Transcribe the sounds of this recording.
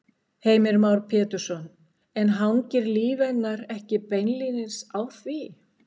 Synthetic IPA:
heːjmɪɾmawɾ̥pʰɛːt̪ʏɾ̥sɔn | ɛnɦawɲcɪɾliːvɛt̪nːaɾɛhcɪpejnlinɪ̥sawθvi

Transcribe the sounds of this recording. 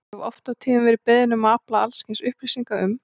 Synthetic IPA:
ɛvɔft̪awt̪ʰiːnʏmvɛɾɪpɛðnʏmaaplaalscɪnsʏhpɾisiŋkaʏm

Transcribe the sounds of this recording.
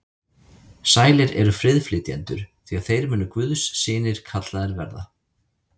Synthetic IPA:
saːjlɪɾɛɾʏfɾɪðflɪt̪jɛnt̪ʏ̰ɾ̥θiaðθejɾmʏnʏkvʏðsːɪːnɪɾ̥kʰat̪laðɛɾvɛɾða

